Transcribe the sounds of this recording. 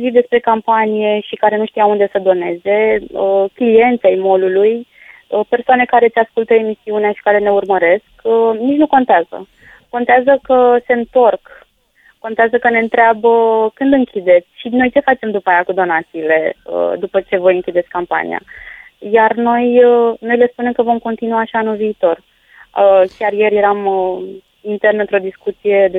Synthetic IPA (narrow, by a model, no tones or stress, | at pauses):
vid̪e̞spɾe̞kampanije̞ʃikaɾe̞nuʃt̪ijaund̪e̞səd̪o̞ne̞ze̞əklije̞nt̪sʲajmo̞luluj | əpe̞rsoane̞kaɾe̞t̪sʲaskult̪əe̞misiuneaʃi̥kaɾe̞ne̞urməɾe̞skənit͡ʃnuko̞nt̪eazə̰ | ko̞nt̪eazəkəse̞ɨnt̪o̞rk | ko̞nt̪eazəkəne̞ɨnt̪ɾeabəkɨnd̪ɨŋkʲid̪e̞t̪sʲʃino̞jt͡ʃe̞fat͡ʃe̞md̪upaːjakud̪o̞nat̪siːle̞ə̰d̪upət͡ʃe̞vo̞jɨŋkʲid̪etsʲkampa̰nḭa̰ | jarno̞jəno̞jle̞spune̞mkəvo̞mko̞nt̪inuaʃianulviːt̪o̞r | əkʲarje̞ɾje̞ɾamə | int̪e̞rnəɨnt̪ɾo̞d̪iskut̪sije̞d̪e